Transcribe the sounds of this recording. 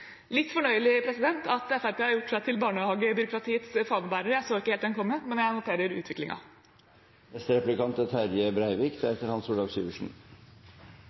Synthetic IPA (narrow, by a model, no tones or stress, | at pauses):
lɪt̪ːfɔɳœʏəlɪpʰɾɛsɪd̪ɛnt̪ɑt̪ɛfæɾpeːhɑɾjʊʈːsæɪt̪ʰɪlbɑːɳəhɑːɡəbʏɾʊkɾɑt̪ʰiːət̪sfɑːməbæːɾəɾəjæɪsoːɪkːəheːlt̪d̪ɛnkʰɔmːəmɛnjæɪnʊt̪ʰeːɾəɾʉ̰ːt̪ʰʋɪklɪ̰ŋɑ̰ | ɛst̪ɾɛplɪkʰɑnt̪ət̪ʰæɾjəbɾæɪʋɪkd̪ɛɛt̪ːəɾhɑnsuːɖɑːɡsʉ̰ːʋəʂn̩